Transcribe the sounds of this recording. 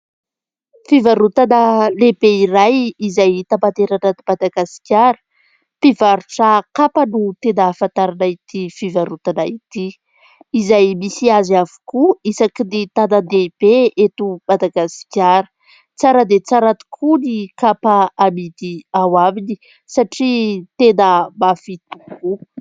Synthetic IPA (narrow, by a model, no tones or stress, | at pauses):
fivaɾut̪anəlebeiɾajizajt̪ampant̪eɾanad̪imad̪aɡasi̥kʲaɾə̥ | pivaɾuʈ͡ʂəkapənut̪enaːfant̪aɾanait̪ifivaɾut̪anait̪iː | zajmisiaziavu̥kuisakinit̪anad̪eb̥eet̪umad̪aɡasi̥kʲaɾə̥ | t͡saɾad̪et͡saɾat̪u̥kʰunikapaamid̪iawamini | saʈ͡ʂit̪enəmafit̪uku